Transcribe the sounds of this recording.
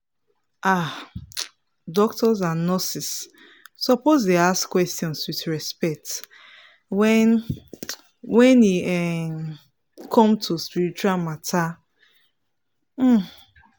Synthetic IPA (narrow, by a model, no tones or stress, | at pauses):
ʔa | dɔk̚tɔzãnɔsis | sɔpozdeaskwɛstjɔ̃nswiθɹɛspɛk̚t | wɛ̃n | wɛ̃niɛ | kʰɔ̃mtʰuspiɹit͡ʃualmatʰa | m̩